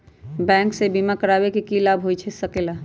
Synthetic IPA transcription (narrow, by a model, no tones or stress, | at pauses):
bɛ̃ːŋksebimakəɾaːwekikilaːbʱɦoit͡ʃʰɛsəkela